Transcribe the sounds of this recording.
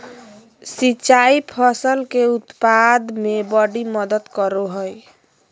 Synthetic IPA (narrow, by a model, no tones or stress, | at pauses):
sit͡ʃaipʰəsəlkeut̪pad̪mebɔɖiməd̪ət̪kəɾoɦoj